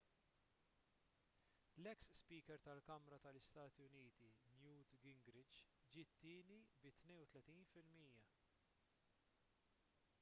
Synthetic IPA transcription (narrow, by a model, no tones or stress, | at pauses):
lɛksspiːkɛɾt̪ɐlkɐmɾɐt̪ɐlɪst̪ɐːt̪iʊniːt̪injuːt̪ɡɪŋɡɾɪd͡ʒ | d͡ʒɪt̪ːɪːnibɪt̪nɛjnwʊt̪lɛt̪iːnfɪlmiːjɐ